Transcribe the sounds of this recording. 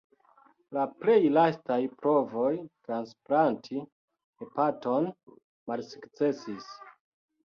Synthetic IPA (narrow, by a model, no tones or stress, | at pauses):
laple̞jlastajpɾo̞vo̞jtɾansplantʰi | epato̞n | malsukt͡se̞sis